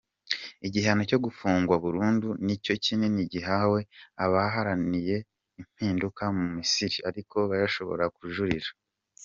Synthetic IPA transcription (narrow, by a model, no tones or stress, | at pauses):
iɟiɦano̞co̞ɡufuːŋɡwaβuɾuːndunico̞cineniɟiɦawe̞aβaɦaɾanije̞ | im̥hiːndukamumisiɾiaɾiko̞βaɾaʃo̞̰βo̞̰ɾakuʒuɾiɾḁ